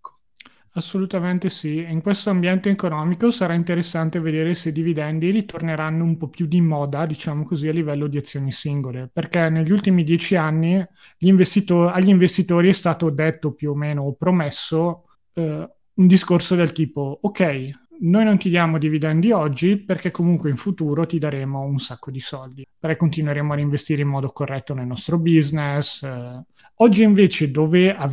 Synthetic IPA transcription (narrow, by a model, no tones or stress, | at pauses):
asːolut̪ament̪esiiŋkwest̪oambjɛnt̪eːkonɔːmikosaɾaint̪eɾesːant̪eved̪eːɾeseid̪ivid̪ɛnd̪iɾit̪orneɾanːoumpɔpjud̪imɔːd̪ad̪it͡ʃaːmokozialːivɛlːod̪iat̪sːjoːnisiŋɡoleperkɛneʎːult̪imid̪jɛːt͡ʃianːi | ʎiɱvest̪it̪oaʎːiɱvest̪it̪oːɾiɛst̪aːt̪od̪et̪ːopjuomːeːnoːpɾomesːo | und̪iskorsod̪elt̪iːpookɛj | noːjnont̪id̪jaːmod̪ivid̪ɛnd̪iɔd͡ʒːiperkɛkːomuŋkweiɱfut̪uːɾot̪id̪aɾeːmounsakːod̪isɔld̪ipeɾɛjkːont̪inweɾeːmoaɾiɱvest̪iːɾeimːɔːd̪okorːɛt̪ːonelnɔst̪ɾobiznes | ɔd͡ʒːiiɱveːt͡ʃed̪oːvea